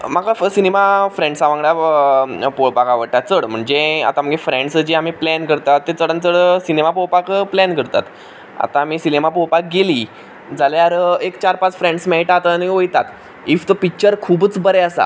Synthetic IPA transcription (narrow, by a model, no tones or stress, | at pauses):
maɡasinemafɾẽɳɖsaʋãŋɡɽa | popakaʋəɽʈ̪at͡səɽm̤əɳd͡zea̰t̪am̤əɡefɾeɳɖsəd͡ʑiamiːplænkəɾt̪at̪ːet͡səɽənt͡səɽəsinemapowpakplɛnkəɾt̪a̰t̪ | a̰t̪aːmiːsinemapoɭpak̚ɡeli | d͡zalaaɾəekt͡ɕaɾpat͡sfɾẽɳɖsmaiʈat̪əniojt̪a̰t̪ | ift̪opik̚t͡ɕəɾkʰuːbət͡sbəɾeəsa̰